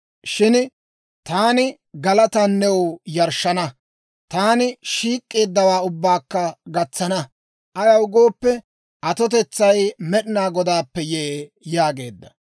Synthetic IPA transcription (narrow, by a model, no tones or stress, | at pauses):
ʃɪn | t̪aːnɪ | ɡɐlɐt̪ɐnːɛwjɐɾʃɐnɐ | t̪aːnɪʃiːkʼːe̞ːd̪ːɐwaːʊbːaːkːɐɡɐt͡sːɐnɐ | ʔɐjɐwʊɡo̞ːpːɛ | ʔɐt̪ɔt̪̬ɛt͡sːɐjmɛɗɪnaːɡɔd̪aːpːɛjɛʔeː | jaːɡe̞ːd̪ːɐ